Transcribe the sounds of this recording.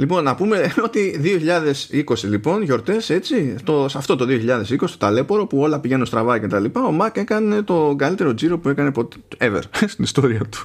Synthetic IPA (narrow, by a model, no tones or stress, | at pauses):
lipo̞nːɐpume̞o̞t̪iðio̞çiʎɐðe̞siko̞silipo̞nʝo̞ɾt̪e̞se̞t͡sit̪o̞sɐft̪o̞t̪o̞ðio̞çiʎɐðe̞siko̞sst̪ot̪ɐle̞po̞ɾo̞puo̞lɐpiʝe̞nunst̪ɾɐvɐcet̪ɐlipɐo̞mɐke̞kɐne̞t̪o̞ɡɐlit̪e̞ɾo̞d͡ziɾo̞pue̞kɐne̞po̞t̪ | evḛɾst̪inist̪o̞ɾiɐt̪u̥